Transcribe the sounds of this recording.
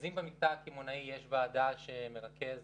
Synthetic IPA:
zimbemik̚t̪akimonaijeʃvaːd̪aʃeme̞ʁakez

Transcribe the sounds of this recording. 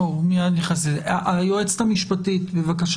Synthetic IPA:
omianiχasezaʔajoet͡st̪amiʃpatitbevakaʃ

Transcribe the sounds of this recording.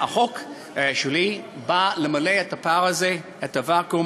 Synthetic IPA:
aχok | ʃelibalemaleetapaʁaze | etavako

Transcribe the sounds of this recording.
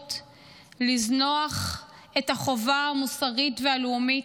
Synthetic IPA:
t | liznoaχ | e̞taχo̞vaamusaʁitvealumi

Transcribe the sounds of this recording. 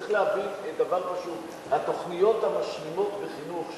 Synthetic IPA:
iχleavifed̪avaʁχaʃuv | hat̪o̞χnijo̞t̪hamaʃmimo̞t̪beχinuχ

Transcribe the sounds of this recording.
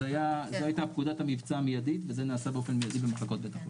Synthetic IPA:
ajazehajtapkudathamivt͡saːmijad̪it̪vezenaːsabeo̞fe̞nmijad̪ibemaχlako̞t̪̚bet̪aχo

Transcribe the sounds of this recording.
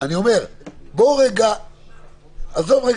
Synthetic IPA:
anio̞me̞ʁboʁeɡa | azovʁe

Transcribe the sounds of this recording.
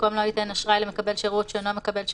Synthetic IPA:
komloit̪enaʃʁajlemekabelʃeʁut̪ʃeːnamekabelʃ

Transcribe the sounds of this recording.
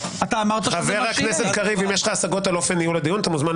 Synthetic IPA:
at̪aːmaʁt̪aχaveʁakneset̪kaʁivimjeʃχaːsaɡo̞t̪alo̞fe̞nːijuled̪ijunat̪amuzman

